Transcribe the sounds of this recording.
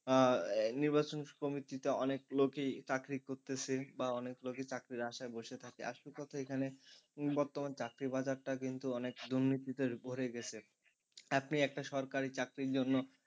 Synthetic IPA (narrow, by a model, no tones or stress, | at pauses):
niɾbat͡ɕonkomit̪it̪eɔnekloket͡ɕakɾikoɾt̪et͡ɕʰebaɔnekloket͡ɕakɾiɾaʃaeboʃet̪ʰakea̰ʃuɾkɔt̪ʰaekʰanebɔɾt̪omant͡ɕakɾibad͡ʑaɾʈak̬int̪uɔnekd̪uɾnit̪it̪eɾbʱoɾeɡɛt͡ɕʰe | apniɛk̚ʈaʃɔɾkaɾit͡ɕakɾiɾd͡ʑonːo